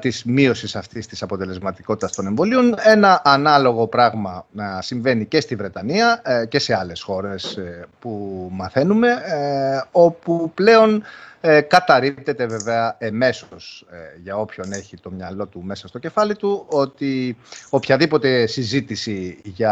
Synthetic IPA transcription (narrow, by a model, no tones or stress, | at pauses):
t̪izmio̞sisɐft̪ist̪isɐpo̞t̪e̞le̞zmɐt̪iko̞t̪i̥t̪ɐst̪o̞ne̞ɱvo̞lio̞ne̞nɐʔːnɐlo̞ɣo̞pɾɐɣmɐɐsiɱve̞nice̞st̪ivɾe̞t̪ɐniɐce̞se̞ɐle̞sxo̞ɾespumɐθe̞nume̞ | o̞puple̞o̞n | kɐt̪ɐɾip̚t̪e̞t̪e̞veve̞ɐeme̞so̞sʝɐo̞pço̞ne̞çit̪o̞mɲɐlo̞t̪ume̞sɐst̪o̞ce̞fɐlit̪uo̞t̪io̞pçɐðipo̞t̪e̞sizit̪isiʝɐ